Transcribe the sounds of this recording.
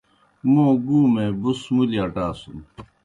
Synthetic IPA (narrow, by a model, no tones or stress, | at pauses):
mõːɡuːmẽːbusmuliaʈaːsun